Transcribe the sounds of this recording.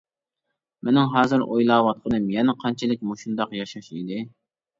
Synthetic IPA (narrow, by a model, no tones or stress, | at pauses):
mɪnɪŋɦɑːzɨɾʔojlˠɑːwɑt̪̚qʰənɨmjɛnɪqʰɑnt͡ʃʰɪlɪk̚ʲmoʃund̪ɑqjɑʃɑʃid̪ɪ